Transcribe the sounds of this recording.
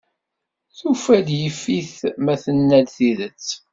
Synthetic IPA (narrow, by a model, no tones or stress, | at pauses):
θufæd̪jəfːiθmæθənːælθiðət͡sː